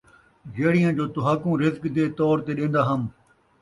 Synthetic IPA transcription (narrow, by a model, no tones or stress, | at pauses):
d͡ʒeːɽijãːd͡ʑoːt̪ʊɦaːkũːɾɪzkd̪eːt̪ɔːɾt̪eːɗẽːnd̪aːɦəm